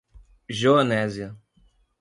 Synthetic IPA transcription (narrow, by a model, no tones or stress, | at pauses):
ʒoɐnɛziɐ